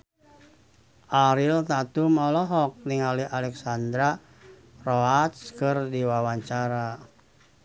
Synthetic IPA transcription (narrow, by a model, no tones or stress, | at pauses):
ʔaɾilt̪at̪umɔlɔɦɔk̚niŋaliʔalɛksand̪ɾa | rɔat̪skɨrdiwawaɲt͡ʃaɾa